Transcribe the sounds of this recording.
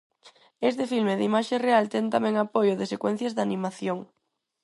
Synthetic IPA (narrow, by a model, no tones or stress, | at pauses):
es̬t̪ɪfilmeðimaʃerealt̪ɛnt̪amɛ̃ŋapojʊðɪsekwɛ̃n̟θjɐzðanimaθjoŋ